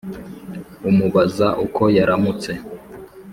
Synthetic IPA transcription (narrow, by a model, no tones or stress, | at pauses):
umuβazaʔukʰo̞jaɾamut͡se̞